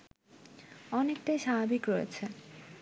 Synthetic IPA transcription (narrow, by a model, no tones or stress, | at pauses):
ɔnek̚ʈajʃabʱabikɾɔjḛt͡ɕʰe